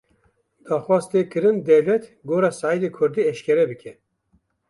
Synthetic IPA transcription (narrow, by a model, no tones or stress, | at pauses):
d̪̥ɑːxwɑːzt̪ʰeːkɨɾɨnd̪ɛwlɛt̪ɡoːɾɑːsɑːid̪eːkʰʊɾd̪iːɛʃkʲɛɾɛbɨkʲʰɛ